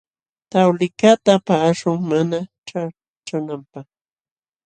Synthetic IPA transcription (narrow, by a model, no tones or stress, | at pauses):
t̪awlɪkat̪apaːʂʊŋmana | ʈ͡ʂa | ʈ͡ʂanampaχ